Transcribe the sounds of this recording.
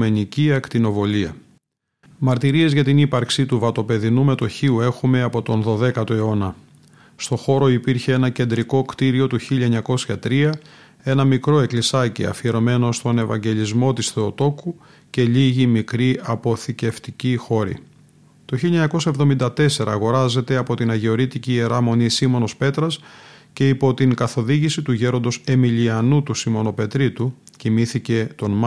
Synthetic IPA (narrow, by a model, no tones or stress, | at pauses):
me̞niciɐkt̪ino̞vo̞liɐ | mɐɾt̪iɾie̞zʝɐt̪inipɐɾksit̪uvɐt̪o̞pe̞ðinume̞t̪o̞çiue̞xume̞ɐpo̞t̪o̞nðo̞ðe̞kɐt̪o̞e̞o̞nɐ | st̪o̞xo̞ɾo̞ipiɾçeenɐce̞nd̪ɾiko̞kt̪iɾio̞t̪uçiʎɐeɲɐko̞sçɐt̪ɾiɐ | e̞nɐmikɾo̞e̞klisɐcḭɐ̰fieɾo̞me̞no̞st̪o̞ne̞vɐ̰ɲɟe̞ʎizmo̞t̪isθeot̪o̞ku | ce̞ʎiʝimikɾiɐpo̞θice̞ft̪icixo̞ɾḭ | t̪o̞çiʎiɐeɲɐko̞sɐevðo̞mind̪ɐt̪e̞se̞ɾɐːɣo̞ɾɐze̞t̪e̞ɐpo̞t̪inɐʝe̞o̞ɾit̪icieɾɐmo̞nisimo̞no̞spe̞t̪ɾɐsce̞ipo̞t̪iŋkɐθo̞ðiʝisit̪uʝeɾo̞nd̪o̞se̞miliɐnut̪usimo̞no̞pe̞t̪ɾit̪ucimiθice̞t̪o̞nmɐ